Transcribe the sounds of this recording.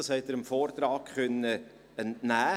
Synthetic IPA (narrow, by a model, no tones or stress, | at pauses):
ɑshɛt̪əɾəmfoːɾt̪ɾɑːkχœnːə | ɛntnæː